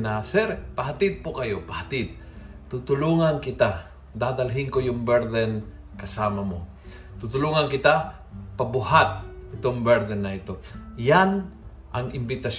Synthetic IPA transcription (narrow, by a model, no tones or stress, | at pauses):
nasɛɾpɐɦat̪ɪd̪̚pokɐjopɐhɐt̪ɪd̪̚ | t̪ut̪ʊluːŋankɪt̪a | d̪aːd̪ɐlɦɪŋkojʊŋbɛɾd̪ɛn | kɐsaːmɐmo | t̪ut̪ʊluːŋɐnkɪt̪a | pɐbʊhat̪̚ɪt̪oŋbɛɾd̪ɛnːɐʔɪt̪o̞jan | ʔɐŋɪmbɪt̪ɐs